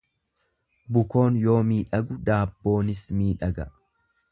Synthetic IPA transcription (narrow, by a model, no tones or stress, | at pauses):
bʊko̞ːnjo̞ːmiːᶑɐɡʊd̪aːbːo̞ːnɪsmiːᶑɐɡɐ̰